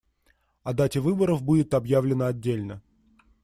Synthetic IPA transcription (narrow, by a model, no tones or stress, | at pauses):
ɐd̪atʲɪvɨbəɾəvbudʲɪt̪ɐbjavlʲɪnəɐdʲːelʲnə